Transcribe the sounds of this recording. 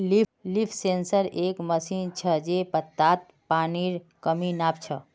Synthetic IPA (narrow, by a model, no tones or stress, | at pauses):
lilipʰsensəɾekməsint͡ʃʰəd͡ʒepət̪ːat̪̚ | paniɾ | kəminapt͡ʃʰə